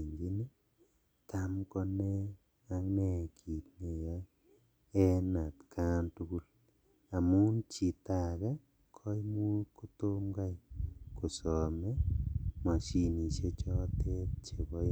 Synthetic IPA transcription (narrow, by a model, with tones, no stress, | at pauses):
ɲd͡ʒi˦ni˦ | ta˦mkɔ˦ne˦ | a˨ŋnɛ˨kʰi˨tne˨ja˦ | ɛ˦na˨tkʰa˦ntu˦ɡu˦l | a˨mu˦nt͡ʃi˨ta˨ɣɛ˦ | kʰɔ˦jmu˦ɾko˦to˦mɡa˦˨ko˨sɔ˨me˦mɔ˨ʃi˨ni˨ʃe˦t͡ʃɔ˦te˦t̚t͡ʃe˨βɔ˦